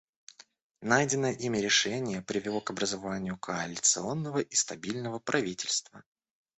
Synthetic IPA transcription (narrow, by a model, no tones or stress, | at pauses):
najdʲɪnəjəʔimʲɪɾʲɪʂɛnʲɪjəpɾʲɪvʲɪlˠo̞kɐbɾəzavanʲɪjʊkʰəɐlʲɪt̪sɨo̞nːəvəʔist̪ɐbʲilʲnəvəpɾʔɐvʲitʲɪlʲst̪və